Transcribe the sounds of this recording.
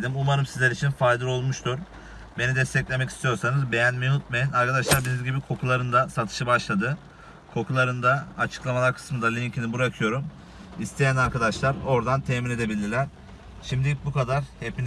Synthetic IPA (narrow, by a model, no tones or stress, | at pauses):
d̪imumaɾɯmsizlʲeɾit͡ʃʰinfajd̪ɯɾo̞lˠmuʃt̪ʰuɾ | be̞nid̪ɛst̪ʰɛclʲe̞mɛcʰi̥st̪ʰijo̞ɾsanɯzbejænmenut̪̚mejinaɾkad̪aʃlˠaɾbinizɟibikʰo̞kʰulˠaɾɯnd̪asat̪ʰɯ̥ʃɯbaʃlˠad̪ɯ | kʰo̞kʰulˠaɾɯnd̪aːt͡ʃʰɯ̥klˠamalˠaɾkʰɯ̥smɯnd̪alʲiɲcʰinibuɾakʰɯjo̞ɾum | ist̪ʰe̞jænaɾkad̪aʃlˠaɾo̞ɾd̪ant̪ʰemine̞d̪e̞bilʲd̪ilʲæɾ̥ | ʃimd̪ibukad̪aɾhepʰin